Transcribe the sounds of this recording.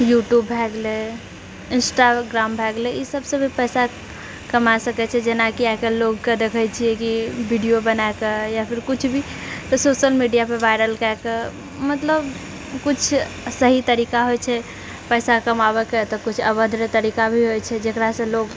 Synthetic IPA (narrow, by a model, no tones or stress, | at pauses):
juʈjubbʱɛɡle | insʈaɡɾambʱɛɡleisəbsə̃bʱipəjsa | kəmasəkɛt͡ʃʰɛd͡ʒenakiakeloɡked̪ekʰəjt͡ʃʰijekibʱiɖijobənaekejapʰiɾkut͡ʃʰbʱi | sosəlmiɖijapeʋajɾəlkaeke | mət̪ləb | kut͡ʃʰsəɦit̪əɾikaɦojt͡ʃʰɛ | pəjsakəmaβɛket̪ɔkut͡ʃʰəbəd̪ɾət̪əɾikabʱiɦojt͡ʃʰɛd͡ʒekɾasə̃loɡ